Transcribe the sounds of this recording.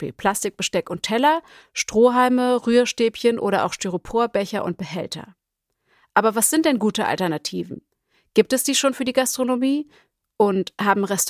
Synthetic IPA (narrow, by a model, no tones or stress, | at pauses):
pḭːlpʰl̥astɪk̚b̥əʃtɛkʊntʰɛlɐ | ʃtʁ̥oːɦaɪməʁyːɐʃteːpçənʔo̰ːɾɐʔa̰ʊxʃtøʁopʰoːɐbɛçɐʔʊ̰nt̚b̥əɦɛ̰ltʰɐ̰ | ʔaːbɐvasz̥ɪnt̚d̥ɛnɡuːtəʔa̰ltɛɐnatʰiːvn̩ | ɡ̥iːp̚tɛsd̥iːʃoːnfyːɐdiːɡastʁ̥onomiː | ʔʊnthaːbm̩ʁɛst